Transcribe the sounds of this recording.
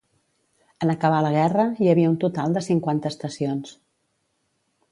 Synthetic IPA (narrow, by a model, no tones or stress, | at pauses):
ənəkəβ̞aləɣ̞ɛrəjəβiəunt̪ut̪alˠd̪əsiŋkwant̪əst̪əsions